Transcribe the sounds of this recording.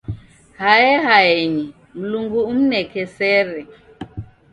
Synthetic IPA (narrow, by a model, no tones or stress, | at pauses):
hajɛɦaɛɲi | m̩luŋɡuum̩nɛkɛsɛɾɛ